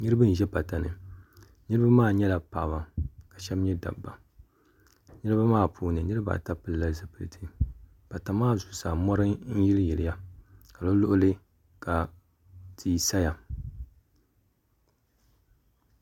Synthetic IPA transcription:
ɲɨ˦ɾɨ˦bɨ˦n̩˨ʒɛ˦pa˨ta˨nɨ̰˨ | nɨ˦ɾɨ˦ba˦maː˦˨ɲɛ˦la˨pa˨ba˨ka˨ʃɛ˦m˦ɲɛ˦da̰˨bbːa˨ | nɨ˦ɾɨ˦ba˦maː˦˨pʰuː˦nɨ˨nɨ˦ɾɨ˦ba̰˨ta˦pɨ˨lla˦lzɨ˦pɨ˨ɨ˨tʰɨ˦ | pa˨ta˨˦maː˦˨zu˨sa˨mɔ˦ɾɨ˦n̩˦ji˦ljɛ˨lɪ˨ja˦ka˨lo˦lʊ˦ʔʊ˦lɨ˦ | ka˨ | tʰi˨˦˨sa˦ja˨

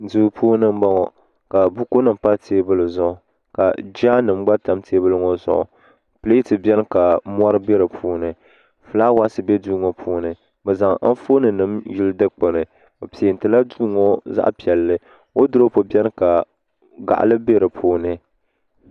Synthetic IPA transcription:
du˨pʰuː˦nɨ˦m̩˦ba˦ŋɔ˨ | ka˨bu˦ko˦nɨ˨m˨pa˦tʰeː˦bɨ˦lɨ˨zʊ˦ʔʊ˨ | ka˨d͡ʒaː˦nɨ˨m˦ɡ͡ba˦ta˨mteː˦bɨ˦lɨ˦ŋɔ˦zʊ̰˨ʔɔ̰˨ | pɨ˦le˦tɨ˨bɛ˦n˦ka˨mɔ˦ɾɨ˦be˦ɾɨ˨pʰuː˦nɨ˨ | fɨ˨laː˦wa˦sɨ˨bɛ˦duː˦ŋo˨pʰuː˦nɨ˨ | bɛ˨za˨ŋa˦fo˦nɨ˨nɨ˨mji˦ldɨ˦k͡pɨ˨nɨ˨ | o˨pi˨e˨n˨tɨ˨la˦duː˦ŋɔ˦za̰˦ʔpi˨ɛ˨lːɨ˦ | o˦dɨ˦ɾo˦po˨bɛ˦n˦ka˨ | ɡa̰˨ʔa̰˨lɨ˦be˦ɾɨ˨pʰuː˦nɨ˦

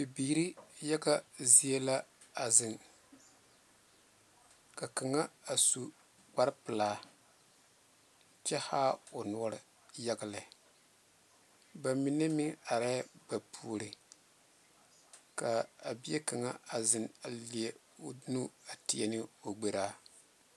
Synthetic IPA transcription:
bi˨biː˨ɾi˦ja˦ɡa˦zi˦e˦la˦ | a˨zɪ˨n | ka˨ka˨ŋa˦a˨su˨ | ɡ͡ba˦ɾpɨ˨laː˦ | t͡ʃɛ˦haː˦o˨nɔ˦ɔ˦ɾɨ˦ | ja˦ɡa˨la˨ | ba˨mi˨ne˦mɪ˦ŋa˨ɾɛ˦ba˨pʰuː˦˨˦ɾɨ˨ | ka˨a˨bi˦e˦ka˨ŋa˦a˨zɪ˨na˨li˨e˨˦ | o˦nu˦a˨ti˨ɛ˦nɨ˦o˨ɡ͡be˨ɾaː˦

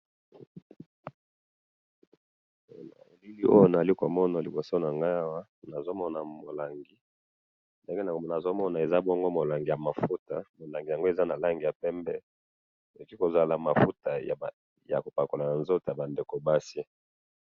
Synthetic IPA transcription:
na̰˨li˦li˦ʔo̰˦jo˦na˨za˨li˦ko˨mɔ˦na˨li˨bo˨so˦na˨ŋɡa˦a˦wa˦ | na˨zo˦mɔ˦na˨mo˨la˨ŋɡi˨ | nde˦ŋɡe˦na˨na˨zo˦mɔ˦na˨e˨za˦bɔ˦ŋɡo˦mo˨la˨ŋɡi˨ja˨ma˨fu˦ta˨mo˨la˨ŋɡi˨ja˨ŋɡo˦e˨za˦na˨la˦ŋɡi˨ja˨pɛ˦mbɛ˦ | e˨o˨ki˦ko˨za˦la˨ma˨fu˦ta̰˨ | ja̰˨ko˨pa˨ko˨la˨na˨nzo˦to˨ja˨ba˨nde˨ko˨ba˦si˦

